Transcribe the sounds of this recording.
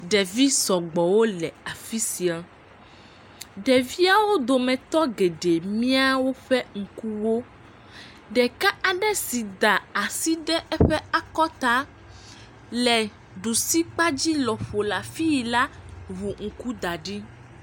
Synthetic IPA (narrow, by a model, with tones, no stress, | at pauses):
ɖɛ˨vi˦sɔ˨ɡ͡bɔ˨wo˦lɛ˨a˨fi˦si˨a˨ | ɖɛ˨vi˦a˦wo˦d̪o˨mɛ̃˨t̪ɔ˦ɡe˨ɖe˨mĩ˦a˦wo˦ɸɛ˦ŋ̩˨ku˦wo˦ | ɖɛ˨ka˦ʔa˨ɖɛ˦si˨d̪a˨a˨si˦ɖɛ˦ʔɛ˦ɸɛ˦a˨kɔ˦t̪a˦ | lɛ˨ | ɖu˨si˦k͡pa˦d͡ʑi˦lɔ˨ɸo˨la˨fi˦ji˨la˦βu˨ŋ̩˨ku˦d̪a˨ɖi˦